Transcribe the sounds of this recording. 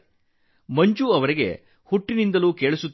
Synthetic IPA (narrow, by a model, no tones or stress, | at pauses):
mɐɲt͡ʃuɐʋɐɾiɡe̞̰ | huʈːinind̪ɐluːkeːɭusut̪ː